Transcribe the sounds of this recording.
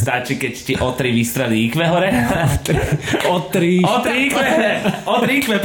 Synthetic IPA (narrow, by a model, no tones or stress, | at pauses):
st̪at͡ʃikɛcsciʔɔt̪ɾiʋist̪ɾaliikʋɛɦɔɾɛ | ɔt̪ɾiɔt̪ɾiikʋɛɔt̪ɾiikʋɛp